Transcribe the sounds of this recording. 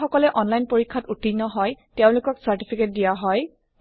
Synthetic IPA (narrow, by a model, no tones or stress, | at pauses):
xɔkɔlɛʔɔnlajnpoɹikʰːatutʰinːɔɦɔjteʊ̃lʊkɔksaɹtipʰiket̚dijaɦɔj